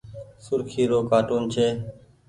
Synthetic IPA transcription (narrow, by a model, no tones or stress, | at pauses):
sʊɾkʰiːɾoːkaːʈuːnt͡ʃʰeː